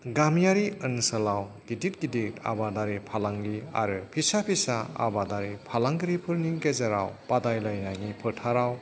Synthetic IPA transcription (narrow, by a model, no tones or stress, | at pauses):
ɡamjaɾiɯnsɐlawɡidit̚ɡidita̰badaɾipʰalaŋlia̰ɾɯpʰisapʰisaa̰badaɾipʰalaŋɡɯɾipʰɯɾniŋɡezaɾa̰wpadajlajnaŋipʰɯtʰaɾaw